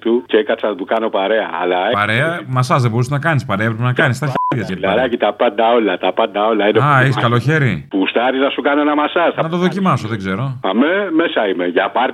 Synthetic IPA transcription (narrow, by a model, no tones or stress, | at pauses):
t̪uceekɐsɐnɐt̪ukɐno̞paɾe̞ɐ̰ːlɐpɐɾeɐmɐsɐzðebo̞ɾus̬nɐkɐnispɐɾeɐepɾepenɐkɐnist̪ɐɾçɐseɐɾɐcit̪ɐpɐnd̪ɐo̞lɐt̪ɐpɐnd̪ɐo̞lɐineɐeskɐlo̞çe̞ɾipust̪ɐɾiznɐsukɐnonɐmɐsɐsθɐnɐt̪o̞ðo̞cimɐso̞ðeɡze̞ɾo̞ɐmemesɐimeʝɐpɐɾ